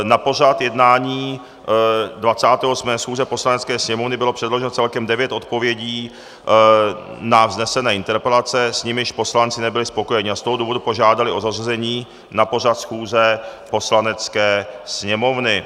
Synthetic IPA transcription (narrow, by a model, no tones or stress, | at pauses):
napo̞r̝at̪jɛdnaːɲiː | dvat͡saːt̪ɛːʔosmɛːsxuːzɛpo̞slanɛt͡skɛːsɲɛmo̞vnɪbɪlopr̝̥ɛdlo̞ʒɛnot͡sɛlkɛmdɛvjɛt̪ʔo̞t̪̚po̞vjɛɟiː | navznɛsɛnɛːɪnt̪ɛɾpɛlat͡sɛsɲɪmɪɪʃpo̞slant͡sɪnɛbɪlɪspo̞ko̞jɛɲɪast̪o̞ɦoduːvo̞dupo̞ʒaːdalɪʔo̞zarazɛɲiː | napo̞r̝at̪sxuːzɛpo̞slanɛt͡skɛːsɲɛmo̞vnɪ